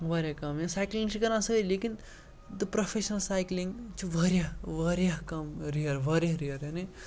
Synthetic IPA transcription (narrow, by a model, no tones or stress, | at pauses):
ʋɐɾjakɐmjesaːjklĩŋɡt͡ʃʰikɐɾãsɐkəleːkin | d̪ɨpɾɐfʰeʃnɐlsaːjklĩŋɡt͡ʃʰiʋɐɾjaʋɐɾjaɦkɐmɾiɐɾʋɐɾʲjaɾiɐɾeni